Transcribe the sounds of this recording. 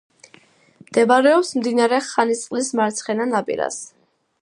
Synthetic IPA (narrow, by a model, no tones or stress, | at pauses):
md̪̥ɛbaɾɛɔpsmd̪inaɾɛχanit̪sʼlismaɾt̪sʰχɛnanapʼḭɾa̰s